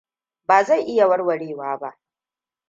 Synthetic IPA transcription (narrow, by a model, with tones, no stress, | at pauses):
baː˨za˦˨jʔɪ˦ja˨wɐ˦rwɐ˨ɽeː˦˨waː˦ba˦ʔ